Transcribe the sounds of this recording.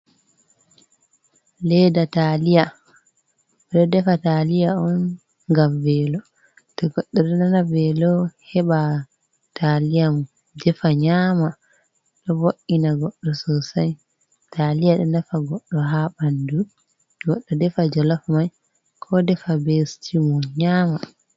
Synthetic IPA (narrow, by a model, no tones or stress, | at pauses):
lɛdatalija | ɗɔdɛfatalijaɔn | ɡamvɛlɔ | tɔɡɔɗːɔɗɛnanavɛlɔhɛɓa | tʰalijam | dɛfaɲaːma | ɗɔvoʔinaɡɔɗːɔsɔsaj | tʰalijaɗɔnafaɡɔɗːɔɦaɓandu | ɡɔɗːɔdɛfad͡ʒɔlafmaj | kʰɔdɛfabestʰimɔɲaːma